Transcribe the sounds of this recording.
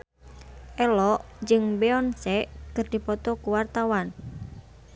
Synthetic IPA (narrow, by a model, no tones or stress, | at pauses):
ʔɛlɔʔd͡ʒɨŋbeɔnsɛʔkərd̥i̤pɔt̪ɔkuwart̪awan